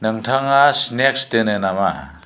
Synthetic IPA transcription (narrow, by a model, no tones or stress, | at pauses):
nɐŋtʰɐŋasnɛkstenenama̰